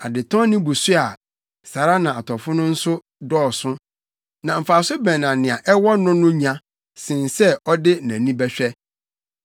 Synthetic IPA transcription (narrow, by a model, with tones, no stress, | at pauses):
a˨dɪ˨tʰɔ̃˦nɪ̃˦bu˨sʊ˦a˨ | sa˨ɾa˦nã˨a˨tʰɔ˨fʊ̃˦nʊ̃˦n̩˦sʊ˦ | dɔː˦˨sʊ̃˦ | nã˨m̩˨fa˨sʊ˦bɛ̃˨nã˨nɪ̃˨a˨ʔɛ˦wɔ˦nʊ̃˦nʊ̃˦ɲã˨ | sɪ̃˨n˨sɛ˦ɔ˦dɪ˦næ̃˨nĩ˦bɛ˦ɕᶣɛ˦